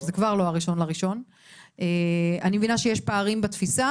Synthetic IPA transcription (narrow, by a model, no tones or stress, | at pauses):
zekvaʁloaʁiʃo̞nlaʁiʃo̞n | eanimevinaʃejeʃpaːʁimbat̪fisa